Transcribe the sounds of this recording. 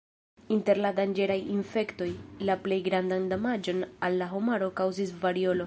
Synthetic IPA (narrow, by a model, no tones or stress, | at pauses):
inte̞ɾladand͡ʒe̞ɾajinfe̞kto̞jlaple̞jɡɾandandomad͡ʒo̞nalːaɦo̞maɾo̞kawzisvaɾio̞lo